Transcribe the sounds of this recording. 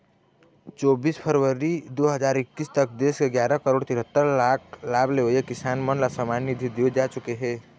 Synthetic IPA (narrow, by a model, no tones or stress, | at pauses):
t͡ʃɔːbiːspʰəɾʋəɾid̪oːɦəd͡ʒaːɾɪkːiːst̪ək̚d̪eːskeɡjaːɾakəɾoːɽt̪ɪɾɦət̪ːəɾlaːkʰlaːbleoekɪsaːnmənlasəmaːnid̪ʱid̪iod͡ʒaːt͡ʃʊkeɦɛː